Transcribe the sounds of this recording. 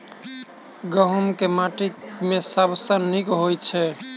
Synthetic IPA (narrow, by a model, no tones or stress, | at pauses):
ɡəɦəmkemaʈikmesəbʱsə̃nikɦojt͡ʃʰɛ